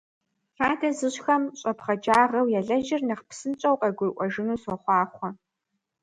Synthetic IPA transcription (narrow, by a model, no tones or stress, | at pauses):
ɬaːdʰɐzɨɕxɐmɕʼɐpχɐd͡ʒaːʁɐwjɛɮɐʒɪrnɐχpsɨnt͡ʃʼɐwqɐɡʷʊrʔʷɔʒɨnuːswɐχʷɑːχʷɔ